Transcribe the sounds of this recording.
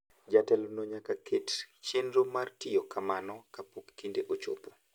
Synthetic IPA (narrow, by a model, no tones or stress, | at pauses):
d͡ʒatɛlonoɲakakʰett͡ʃenɾomartijokamanɔkapokːindeʔot͡ʃo̰po